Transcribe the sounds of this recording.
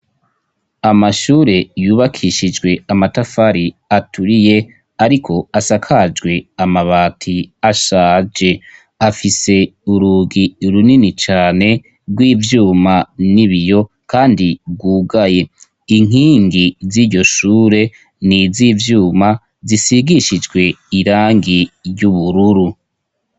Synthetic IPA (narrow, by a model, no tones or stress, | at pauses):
amaʃuːɾe̞juːβakʰiʃid͡ʒɡwe̞amatafaɾiatʰuɾije̞ | aɾikʰo̞asakʰad͡ʒɡwe̞amaβaːtʰiaʃaːd͡ʒe̞ | afise̞uɾuːɡiɾuninit͡ʃaːne̞ | ɡwiːvjuːmaniβijo̞ | kʰaːndibɡwuːɡaje̞ | iŋ̥iːŋɡiziɾɟo̞ʃuːɾe̞ | niziːvjuːma | zisiɡiʃid͡ʒɡwe̞iɾaːŋɡijuβuɾuɾu